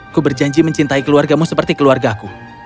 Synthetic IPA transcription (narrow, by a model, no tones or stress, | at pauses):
kubərd͡ʒaɲd͡ʒiməɲt͡ʃint̪aikəluarɡamusəpərt̪ikəluarɡaku